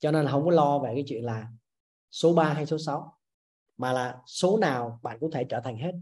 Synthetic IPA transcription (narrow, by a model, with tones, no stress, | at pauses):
t͡ɕɔ˧ne˧nlɦə˧wŋ͡mkɔ˨˦lɔ˧ve˨˩kaː˨˦t͡ɕwḭ˧˨ənlaː˨˩ | so˨˦ɓaː˧ɦa˧jso˨˦sa˨˦w | maː˨˩laː˨˩so˨˦naː˨˩wɓa̰ː˧˨nkʊ˧˥ŋ͡mt̪ʰe˧˩t͡ɕəː˧˩t̪ʰa˨˩ŋ̟ɦe˦˥t̚